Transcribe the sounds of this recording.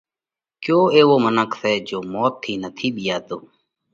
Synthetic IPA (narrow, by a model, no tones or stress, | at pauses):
kjoːeːʋoːmənəksɛːd͡ʒoːmɔːt̪ʰːiːnət̪ʰiːɓiːaːt̪oː